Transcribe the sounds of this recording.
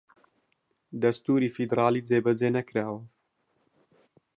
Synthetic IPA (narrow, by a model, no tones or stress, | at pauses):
d̪ɐst̪uːɾiːfid̪ɾaːliːd͡zeːbɛd͡zeːnɛkɨɾaːwɐ